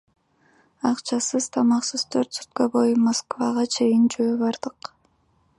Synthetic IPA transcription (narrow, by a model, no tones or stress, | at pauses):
ɑqt͡ʃɑsɯzt̪ʰɑmɑqsɯz̥t̪ʰøɾt̪sy̥t̪̚købo̞jumoskvaʁɑt͡ʃʰe̞jind͡ʒøːβɑɾd̪̥ɯq